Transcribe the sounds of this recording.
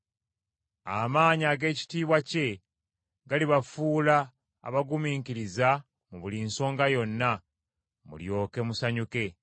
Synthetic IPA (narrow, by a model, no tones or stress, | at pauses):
a̰maːɲaːɡe̞ːci̥tiːβwace̞ | ɡaliβafuːla̰ː | βaɡumiːŋkiɾiza | muβulinso̞ːŋɡajo̞nːa | mṵljo̞ːke̞musaɲuke̞